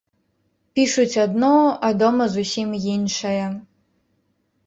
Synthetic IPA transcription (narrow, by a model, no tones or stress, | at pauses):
pʲiʂut͡sʲad̪nɔad̪ɔmɐzusʲimjinʂɐjɐ